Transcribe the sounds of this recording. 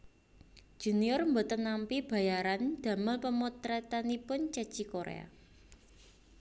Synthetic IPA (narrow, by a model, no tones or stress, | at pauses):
ʒ̥uniɔrmbot̪ənampib̥ä̤jaɾand̪̥a̤məlpəmot̪ɾɛt̪anipʊnt͡ʃə̥t͡ʃikoɾḛa̰